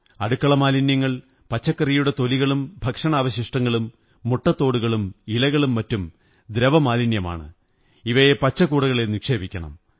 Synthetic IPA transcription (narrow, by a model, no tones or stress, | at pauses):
ɐɽukːɐɭɐmaːlinjɐŋːɐɭ | pɐt͡ɕːɐkːɐrijuɽe̞t̪o̞liɣɐɭumbʱɐkʂɐɳaːʋɐɕiʂʈɐŋːɐɭumː | uʈːɐt̪ːo̞ːɽuɣɐɭumilɐɣɐɭumːɐtːum | d̪ɾɐʋɐmaːlinjɐma̰ːɳɨ̰ | iʋɐjepɐt͡ɕːɐkːuːɽɐɣɐɭenikʂe̞ːbʱikʲːɐɳɐ̰m